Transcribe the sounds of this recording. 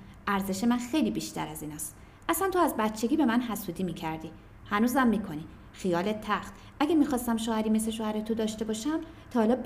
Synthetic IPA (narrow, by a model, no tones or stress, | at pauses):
ʔæɾze̞ʃe̞mænxe̞jliːbiʃt̪æ̰ɾæziːnɒːst̪ | ʔæsænt̪ʰoæzbæt̪t͡ʃʰːe̞ɡʲiːbe̞mænɦæsuːd̪iːmiːcʰæɾd̪iː | hænuːzæmːiːkʰo̞niː | xijɒːlet̪ʰːæxt̪ | ʔæɡʲæmixɒːst̪æmʃoːhæɾime̞sleʃoːhæɾet̪ʰod̪ɒːʃt̪e̞bɒːʃæm | t̪ʰɒːlɒːb